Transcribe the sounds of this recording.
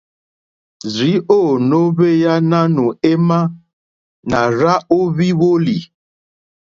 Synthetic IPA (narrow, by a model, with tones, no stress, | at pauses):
zi˨˦o˦˨no˦βe˦ja˦na˦nu˨e˦ma˦ | na˨ɾa˦o˦βi˦wo˦li˨